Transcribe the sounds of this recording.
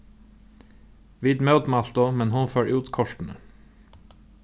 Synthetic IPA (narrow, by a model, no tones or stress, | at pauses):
ʋiːd̪mœʉt̪mɑlt̪ʊmɛnhʊnføːɹʔʉːt̪kʰɔʃʈn̩ə̰